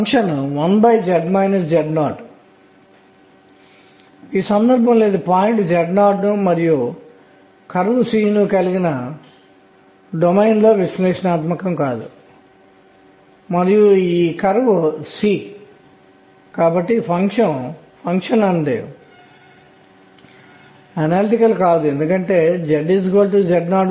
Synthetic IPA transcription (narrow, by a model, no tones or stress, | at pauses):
ŋkʂɐnʋɐnbɐjd͡ʒɛɖmɐjnɐsd͡ʒɛɖnaːʈ | iːsɐnd̪ɐɾbʱɐ̃mle̞ːd̪upaːjiɳʈd͡ʒɛɖnaːʈnumɐɾiju | kɐɾʋɐsiːnukɐliɡinɐ | ɖomejnlo̞ːʋislɛːʂɐnaːt̪mɐkɐmkaːd̪ṵ | mɐɾijuiːkɐɾʋɐsiː | kaːbɐʈːipʰɐŋkʂɐn | pʰɐŋkʂɐnɐɳɖḛ | ɐnaːliʈikɐlkaːd̪uend̪ukɐɳʈe̞ːd͡ʒɛɖisikɐlʈud͡ʒɛɖnaːɖ